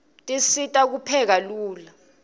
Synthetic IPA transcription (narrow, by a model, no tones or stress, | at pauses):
tʼisitʼak̬upʰɛk̬aluːla